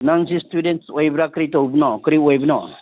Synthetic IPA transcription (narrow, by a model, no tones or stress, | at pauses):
naŋsistudentsojbɾakɾit̪ɔubnɔkɾiojbnɔ